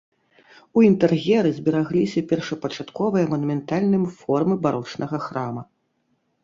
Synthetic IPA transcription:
uint̪ɛrɣʲɛɾɨzʲbʲiɾaɣlʲisʲɐpʲɛrʂɐpɐt͡ʂat̪kɔvɨjɐmɐnumʲɛnt̪alʲnɨmfɔrmɨbaɾɔt͡ʂnɐɣɐxɾamɐ

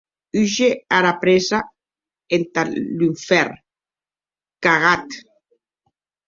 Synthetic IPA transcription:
yʒeaɾapɾeza | ent̪alyɱfɛɾ | kaɣat̪

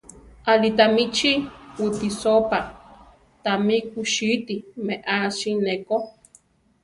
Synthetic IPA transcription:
alit̪amit͡ʃiwut̪isopa | t̪amikuʃit̪imeʔaʃineko

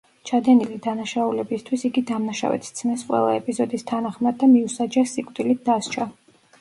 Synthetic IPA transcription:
t͡ʃʰad̪ɛnilid̪anaʃaulɛbist̪ʰwisiɡid̪amnaʃa̰vɛ̰t̪ʰt̪sʰmɛsqʼwɛ̰lˠaɛpʼizɔd̪ist̪ʰanaχmad̪ːamiusad͡ʒɛsikʼt̪ʼilit̪̚d̪ast͡ʃʰa

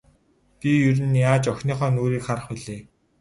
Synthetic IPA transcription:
pijɵɾɘ̆nːjaːt͡ɕɔxʲniːχœːnoːɾiːkχaɾə̆χʊɮeː

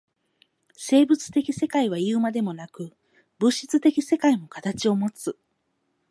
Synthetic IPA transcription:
se̞ːbɯ̟t͡sɨ̥t̪e̞kʲise̞kaiβ̞aiɯ̟ːmad̪e̞mo̞nakɯ̟ | bɯ̟ɕi̥t͡sɨt̪e̞kʲise̞kaimo̞kat̪at͡ɕio̞mo̞t͡sɨ

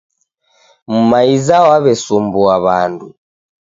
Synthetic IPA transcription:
mumaizawaβɛsumbuaβa̰ndu

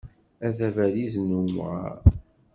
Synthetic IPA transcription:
æθævæliznum̰ʁa̰ɾ

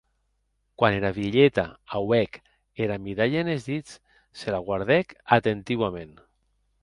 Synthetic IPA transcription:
kwaneɾaβiʎet̪a̰awɛk | eɾamiðaʎaenezðit͡s | selaɣwaɾðɛkat̪ent̪iwamẽn

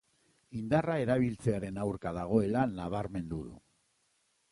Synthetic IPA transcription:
ind̪arae̞ɾaβ̞ilt͡se̞aɾe̞nawɾkaðaɣ̞o̞e̞lanːaβ̞aɾme̞nd̪uðṵ

